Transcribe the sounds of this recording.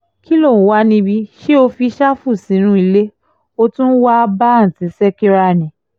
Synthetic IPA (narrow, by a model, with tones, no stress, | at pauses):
ki˦lo˦˨ũ˨˦wa˧˦nĩ˧bi˧ʃe˦o˧fi˧ʃa˦fu˦˨sĩ˨˦ñũ˦i˧le˦ | o˧tũ˦n̩˦wa˦ba˦˨n̩˨ti˨˦sɛ˦ki˦ɾa˧˨nĩ˨